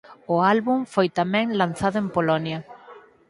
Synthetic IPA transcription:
ʊalβuɱfojt̪amɛ̃ŋlan̟θaðʊempolɔnjɐ

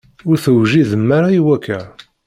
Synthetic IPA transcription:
ʊɾθəwʒiðəmːaɾaiwækʰːæ

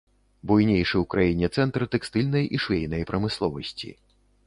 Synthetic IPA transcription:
bujnʲejʂɨwkɾajinʲɛt̪sɛnt̪ɾɨt̪ɛkst̪ɨlʲnɐjʔiʂvʲejnɐjpɾɐmɨslˠɔvɐsʲt͡sʲḭ

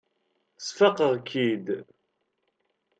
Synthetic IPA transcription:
sfɑqəʁkʰːid̪

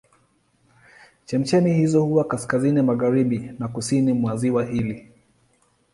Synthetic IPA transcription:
t͡ʃɛm̩t͡ʃɛnihizɔhuwakaskazinimaɣaɾiɓinakusinimwaziwahili

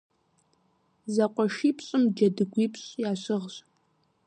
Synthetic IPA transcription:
zɐqʷʼɔʃiːpɕʼɨmd͡ʒɐdɨɡʷipʰɕʼjaːɕɨʁɕʼ

